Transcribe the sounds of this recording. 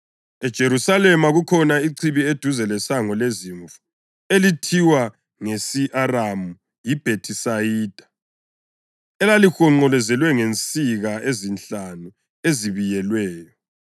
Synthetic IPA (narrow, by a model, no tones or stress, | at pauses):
ɛd̥ʒ̥ʱeɾusalɛmaɣukʰɔnaiǀʰiβied̥ʱuzɛlɛsaŋɔleziɱfu̥ | elitʰiwa | ŋesiʔaramu | jib̥ʱetʰisajiːd̥ʱḁ | ɛlalixɔŋ͡ǃɔlɛzɛlwɛŋent͡sʼiɣaezinɬanu | eziβijɛlwɛːjɔ